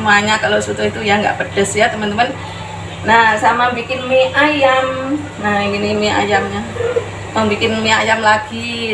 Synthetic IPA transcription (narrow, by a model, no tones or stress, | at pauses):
muaɲakalosut̪uit̪ujaŋɡa̰ʔpədəsjat̪əmant̪əman | nahsamabikɪnmiajam | nahɡinimia̰jamɲa | maŋbikɪnmiajamlaɡi